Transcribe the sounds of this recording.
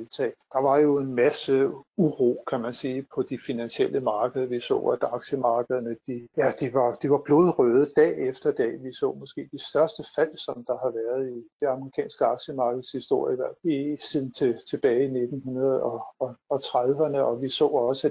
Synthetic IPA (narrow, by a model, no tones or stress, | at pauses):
elt͡sʰɛ̰ːd̥ɑ̈ʋɑ̈jo̝e̝nmæsəuʁo̝̰ːkʰæmænsiːpʰɒ̽d̥ifinænɕiel̰əmɑ̈ːɡ̥əðˠɐʋisɔ̰ːæd̥ɑ̈ɡ̥ɕəmɑ̈ːɡ̥əð̞̩ˠɐnəd̥ijæd̥iʋɑ̈d̥iʋɑ̈b̥lo̝ð̞ˠʁœð̞̩ˠd̥ɛ̰ːefd̥ɐd̥ɛ̰ːʋisɔ̰̽ːmɒ̽sɡ̥e̝̰ːd̥isd̥ɶɐsd̥əfæl̰sɒ̽md̥ɑ̈hɑ̈ʋæɐð̞ˠid̥e̝ɑ̈məʁikʰɛ̰ːnsɡ̥əɑ̈ɡ̥ɕəmɑ̈ːɡ̥əð̩ˠshisd̥o̝ɐ̰jəiʋæɐ̰fæisið̰ˠn̩t͡sʰe̝t͡sʰe̝b̥ɛːɪine̝d̥n̩hunɐð̞̩ˠɒ̽ɒ̽ɒ̽t͡sʰʁaðˠʋɐnəɒ̽ʋisɔ̰ːɒ̽sə